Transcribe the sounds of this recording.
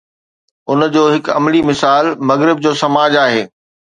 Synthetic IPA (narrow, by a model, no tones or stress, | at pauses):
ʊnd͡ʑoːɦɪkɐ̰mlimɪsaːlmɐɣɾɪb̚d͡ʑoːsɐmaːd͡ʑaːɦeː